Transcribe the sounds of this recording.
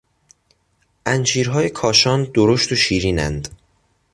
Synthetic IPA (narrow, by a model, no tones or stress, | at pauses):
ʔænt͡ʃiːɾɦɒːjekʰɒːʃɒːnd̪oɾoʃt̪oʃiːɾiːnæ̰nd̪